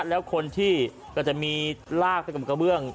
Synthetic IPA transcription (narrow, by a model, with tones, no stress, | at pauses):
lɛː˦˥wkʰo˧nt̪ʰiː˥˩ | kɔː˥˩t͡ɕa˨˩ʔmiː˧laː˥˩k̚t̪ʰa˥˩ka˨˩pka˧bɯ˥˩əŋ